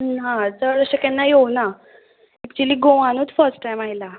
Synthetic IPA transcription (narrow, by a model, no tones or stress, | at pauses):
ɦãtəɾəɕəkanːajewna | ɛk̚t͡ɕuəliːɡoʋãnot̪fəɾsʈːajmaila